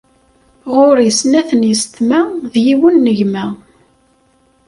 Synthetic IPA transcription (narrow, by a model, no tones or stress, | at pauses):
ʁʊɾjəsnæθənjəst̪mæðjiwənːəʝmæ